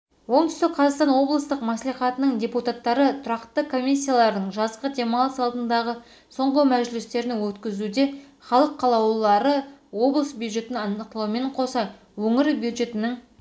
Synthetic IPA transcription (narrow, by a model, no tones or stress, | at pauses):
wo̞ɴt̪ʏst̪ɪk̚qʰɑzɑqst̪ɑnwo̞blˠəst̪əqmɑslijχɑt̪ənəɴd̪ʲe̞put̪at̪ːɑɾət̪ʰʊɾɑqt̪ːəkʰo̞mʲis̬ʲːijalˠɑɾd̪əɴʒɑzqəd̪ʲe̞mɑlˠəsɑlˠd̪ənd̪ɑʁə | so̞ɴʁəmæʒɪlɪst̪e̞ɾɪnɪwɵt̪kʲɪzud̪e̞ | χɑlˠəqʰːɑlˠɑwlˠɑɾəwo̞blˠəsbjud̪ʒe̞t̪ɪnɑnəq̚t̪lˠuwəme̞ɴqʰo̞sɑ | wɵŋɪɾbjud̪ʒe̞t̪ɪnɪŋ